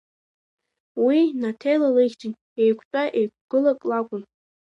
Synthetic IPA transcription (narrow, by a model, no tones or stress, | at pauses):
winatʰejlalɨχʲt͡ʃʼɪn | ejkʷʰt͡pʷʼaʔejkʷʰɡ̥ɨlakʼlakʷʼʊn